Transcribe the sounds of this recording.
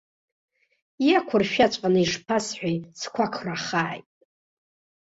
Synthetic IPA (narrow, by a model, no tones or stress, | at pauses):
jakʷʰʊrʃᶣat͡ʃʷʼqʼanɨiʐpʰasħʷᶣajsʰkʷʰakʰraχaːjtʼ